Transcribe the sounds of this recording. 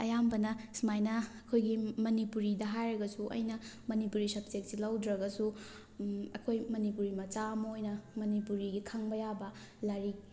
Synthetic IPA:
ɐjambɐnɐsmajnɐːkʰojɡimɐnipuɾidɐɦajɾɐɡɐsuʔɐ̰jnɐ | mɐnipuɾisɐb̚sek̚silawdɾɐɡɐsu | ɐkʰojmɐnipuɾimɐt͡ʃamojnɐmɐnipuɾiɡikʰaŋbɐjabɐ | laɾi

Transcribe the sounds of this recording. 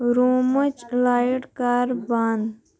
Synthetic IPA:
ɾoːmət͡ʃlaːiʈkaːɾbaːn

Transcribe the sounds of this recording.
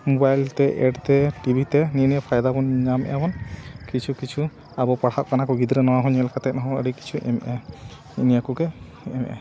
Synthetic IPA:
mubajlt̪ɛʔɛɖt̪ɛʈibʱit̪ɛniniapʰajd̪abɔnɲamʔɛbɔnkit͡ʃʰukit͡ʃʰu | abɔpaɽhaʔkanakɔɡid̪ɾɛnɔwaɦɔɲɛlkat̪ɛt̪̚nɦɔ̃əɽiki̥t͡ʃʰuʔɛmʔɛnḭnijakukɛ | ɛmʔɛ̰

